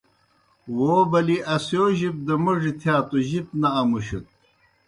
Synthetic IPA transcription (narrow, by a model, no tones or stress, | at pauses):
woːbɐliʔɐsjoːʑip̚d̪ɐmuʐit̪ʰjaːt̪uʑip̚nɐːmuɕut̪̚